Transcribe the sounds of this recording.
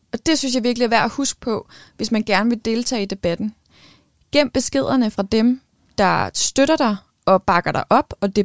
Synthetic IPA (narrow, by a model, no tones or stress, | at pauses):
ɒ̽d̥e̝synsjɑ̈ʋiɐɡ̥liæɐʋæɐ̰æhusɡ̥̚pʰɒ̽ʋe̝smænɡ̥æɐnəʋe̝d̥e̝ːlt͡sʰɛ̰ːid̥e̝b̥æd̥n̩ | ɡ̥em̰b̥e̝sɡ̥e̝ð̞̰ˠɐnəfʁɑ̈d̥em | d̥ɑ̈sd̥øɾ̥ɐɾ̥ɑ̈ɪ | ɒ̽b̥ɑ̈ɡ̥ɐɾ̥ɑʔɒ̽b̥ɒ̽de̝